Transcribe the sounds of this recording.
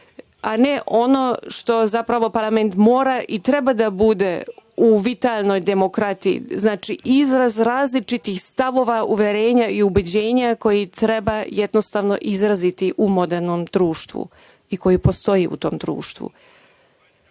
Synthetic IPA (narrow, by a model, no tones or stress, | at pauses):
aneʔo̞no̞ʃt̪o̞zapɾaʋo̞paɾlˠame̞nt̪mo̞ːɾaʔit̪ɾe̞bad̪abud̪e̞uʋit̪aːlˠno̞jd̪e̞mo̞kɾat̪ijḭznaːt͡ʃiʔizɾazɾaːzlit͡ʃit̪ixst̪aʋo̞ːʋauʋjeɾe̞ːɲaiubed͡ʑe̞ːɲako̞jit̪ɾe̞baje̞d̪nost̪aʋno̞̰ʔizɾazit̪iʔumo̞d̪eɾno̞md̪ɾuːʃt̪ʋṵ | iko̞jipo̞st̪o̞jiṵt̪o̞ːmd̪ɾṵːʃt̪ʋṵ